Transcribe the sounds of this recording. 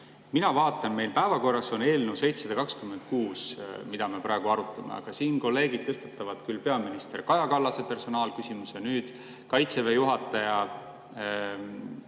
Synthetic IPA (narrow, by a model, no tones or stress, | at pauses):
minɑvɑːt̪ːˑɑnme̞jlpæevɑko̞rːɑso̞ne̞ːlnewse̞jt̪sɑd̪ɑkɑkskymːen̥̚kuːsmid̪ɑme̞pɾɑˑeɡ̥uɑɾut̪ʰˑɑmḛɑ̰ɡ̥ɑsiːnko̞lːe̞ːɡid̪̥̚t̪ɤ̞st̪et̪ːˑɑvɑd̪̥kylːpe̞ɑminist̪e̞rkɑjɑkɑlːɑse̞pe̞rso̞nɑːlkysimusenyːd̪̥ | kɑjt̪sevejuɦɑt̪ːˑɑjɑ